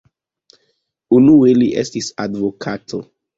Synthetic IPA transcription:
unueliʔestisadvokʰatʰo

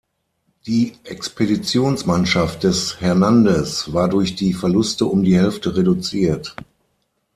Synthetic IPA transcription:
d̥iːʔɛkspʰedit͡sjoːnsmanʃaft̚d̥ɛshɛɐnandəsv̥aːɐdʊɐçd̥iːfɛɐlʊstəʊmdiːhɛlftəʁedut͡siːɐt

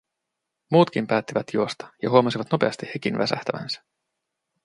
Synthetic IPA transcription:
muːt̪k̟impæːt̪ːiʋæt̪juo̞st̪ɑ̥jɑɦuomɑsiʋɑt̪no̞pe̞̰ɑst̪ihe̞k̟inʋæ̰sæ̰ht̪æʋæ̰nsæ̥

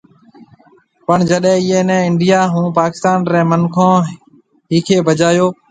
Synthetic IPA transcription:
pəɳd͡ʒəɗɦɛ̃ɪːẽːnɛ̃ːɪɳɖɪjaːɦũːpaːkɪst̪aːnɾɛ̃ːmənkʰõː | ɦiːkʰeːbʱəd͡ʒaːjoː

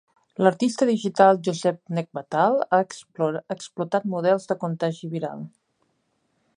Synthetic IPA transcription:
ləɾt̪ist̪əðiʒit̪alˠʒuzɛp̚nɛk̚bat̪alˠaəksplut̪at̪̚muðɛlˠzðəkunt̪aʒiβiɾa̰lˠ

